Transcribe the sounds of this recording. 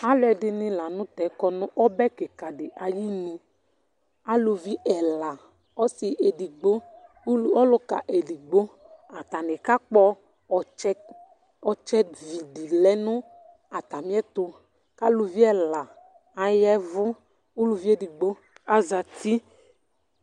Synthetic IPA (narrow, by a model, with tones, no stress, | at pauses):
a˦lʊ˦ɛ˨dɪ˨nɪ̃˨la˨nʊ̃˦t̪ɛ˨˦kɔ˧nʊ̃˦ʔɔ˦bɛ˦ke˨ka˨dɪ˨ʔa˨ji˦nĩ˨ | a˦lu˨˧vi˦ʔɛ˨la˨ | ɔ˦sɪ˨ʔe˨di˨ɡ͡bo˦ | ɔ˦lʊ˦ka̰˨ʔe˨di˨ɡ͡bo˦ | a˨t̪a˨nɪ˨ka˦k͡pɔ˦˨ | t͡ʃɛ˦ | ɔ˨t͡ʃɛ˦vi˨di˨lɛ˨˦nʊ̃˦ | a˨t̪a˨mĩ˦ɛ˦t̪ʊ˨ | ka˦lu˨vi˦ɛ˨la˨ | a˨jɛ˦vʊ˦ | u˦lu˨vi˦e˦di˨ɡ͡bo˦ | a˨za˨ti˦